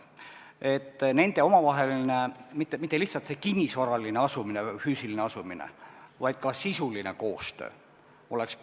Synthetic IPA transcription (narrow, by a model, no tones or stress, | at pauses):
e̞t̪ːne̞nd̪̥e̞o̞mɑvɑɦe̞linemit̪ːemit̪ːeliçhtsɑlt̪se̞kinʲːisvɑɾɑlineɑsumine̞fyːsilineɑsuminḛvɑjd̪̥̚kɑsisuline̞̰ko̞ːst̪ø̰ː | o̞le̞ks